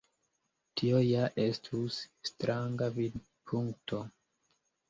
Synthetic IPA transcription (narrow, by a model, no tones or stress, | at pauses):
tʰio̞jaʔestʰusːtɾaŋɡavid | pʰuŋktʰo̞